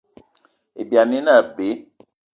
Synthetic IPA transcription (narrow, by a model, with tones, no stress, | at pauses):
i˨bja˨ni˦na˦˨be˨˦